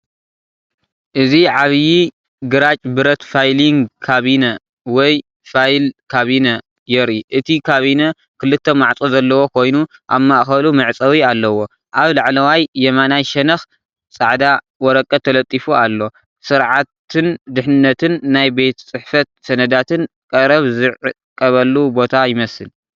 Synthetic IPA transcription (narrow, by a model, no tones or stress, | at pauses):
ʔɨziʕaβji | ɡɨɾat͡ʃʼbɨɾɐt̪fajliŋɡkʰaβinɐ | wɔj | fajlkʰaβinɐ | jɛɾiʔɨt̪ʰikʰaβinɐ | kʰɨlːɨt̪ʰːɐmaʕt͡sʼozɐlːɐwo̞kʰo̞jnuʔa̰βmaʔxɐlumɨʕt͡sʼɐwialːɐwo̞ | ʔaβlaʕlɐwajːɛmanajʃɛnɐx | t͡sʼaʕd̪a | wɔɾɐkʼːɐt̪ʰːɐlɐt̪ʼːifualːo̞ | sɨɾʕat̪ʰɨnd̪ɨħnɨnːɐt̪ʰɨnːajbe̞t̪t͡sʼɨħfɐt̪̚sɐnɐd̪at̪ʰɨn | kʼɐɾɐβzɨʕɨ | kʼːɐβɐlːubo̞t̪ʰajɪmɐsɨl